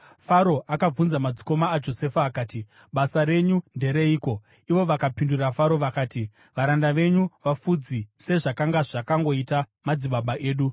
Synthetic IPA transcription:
faɾo̞ʔakab͡vunzamad͡ziko̞maːd͡ʒo̞se̞faːkaːti | ɓasaɾe̞ɲunde̞ɾe̞iːko̞ | iʋo̞ʋakapindurafaɾo̞ʋakaːti | ʋaɾandaʋe̞ɲuʋafud͡zise̞ʐakaŋɡaʐakaŋɡo̞ita | mad͡ziɓaɓaʔe̞ːɗu

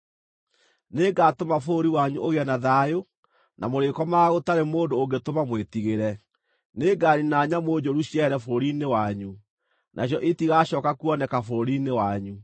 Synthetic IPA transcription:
neɡatomafoɾiwaɲuoɣeɛnaðajo | nʔamoɾekɔmaɣotaɾemoːndooɡetomamwetiɣeɾɛ | neːɡaːɾinaɲamoːd͡ʑoɾuɕjɛɛɾɛfooɾinewaɲu | nʔa̰ɕ̬jɔʔetiɣaɕɔkakuɔnɛkafoɾinewaɲu

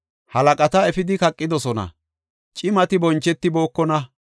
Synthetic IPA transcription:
hɐlɐkʼɐt̪ɐɛfɪd̪ɪkɐkʼːɪd̪ɔsɔnɐ̰ | t͡ʃʼɪmɐt̪ɪbɔnt͡ʃːɛt̪ːɪbo̞ːkːɔnɐ

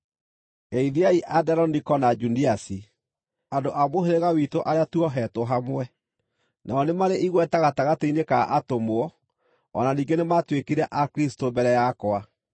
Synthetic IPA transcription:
eiðiaiʔadɛɾɔnikɔnad͡ʒuniasi | andoʔamoheɾeɣawitoʔaɾeatuɔɦɛtoɦamwɛ | naɔnemaɾeʔiɣwɛtaɣataɣateinekaʔatomoɔ | ɔ̰naniːŋɡenematwekiɾɛʔakɾistobɛɾɛjakɔa

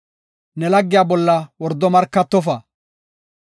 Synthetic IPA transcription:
nɛlɐɡːɪjaːbɔlːɐwɔɾd̪ːɔmɐɾkːɐt̪ːɔfɐ

